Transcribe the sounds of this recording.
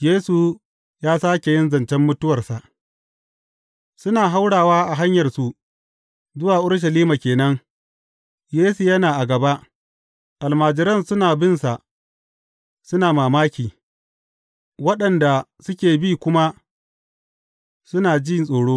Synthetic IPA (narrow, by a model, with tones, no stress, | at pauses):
jeː˦su˨ | jaː˦saː˦kʲe˨jɪ˦nzɐ˨nt͡ʃɛ˦mːʊ˦tʊ˦wɐ˨rsa˨ʔ | sʊ˦naː˨ɦa˦wɽaː˨waː˦ʔa˨ɦa˦ɲjɐ˨rsu˦ʔ | zʊ˦waː˨ʔʊ˦rʃ̬ɐ˨liː˦maː˨kʲeː˨nɐ˦ŋ | jeː˦su˨jɐ˦naː˨ʔa˨ɡɐ˨ba˦ʔ | ʔa˨lmaː˨d͡ʒɪ˨ɾɐ˦˨nsʊ˦naː˨bɪ˦nsa˨ʔ | sʊ˦naː˨maː˨maː˦kʲiː˨ | wɐ˦ɗɐ˨nda˨sʊ˦kʲeː˨biː˦kʷʊ˦ma˦ | sʊ˦naː˨d͡ʒi˦˨nsʼoː˨ɽoː˦